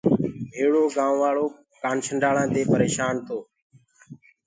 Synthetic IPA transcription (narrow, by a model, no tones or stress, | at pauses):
bʱeːɽoːɡãːʋʋaːɭoː | kaːnsəɳɖaːɭãːt̪eːpəɾeːʃaːnt̪oː